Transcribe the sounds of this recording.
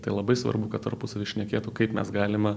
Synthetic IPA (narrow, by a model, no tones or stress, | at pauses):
t̪ɐɪlˠɐbɐɪsʋɐ̰rbʊkɐt̪t̪ɐ̰rpʊsɐʋʲɪʃʲnʲɛkʲeːt̪ukɐɪpmʲɛ̰sɡɑːlʲɪmɐ